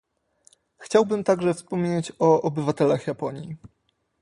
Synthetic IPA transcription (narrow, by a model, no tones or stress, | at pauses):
xt͡ɕawbɘmt̪aɡʐɛfspɔmʲɲet͡ɕɔʔɔbɘvat̪ɛlaxjapɔɲjḭ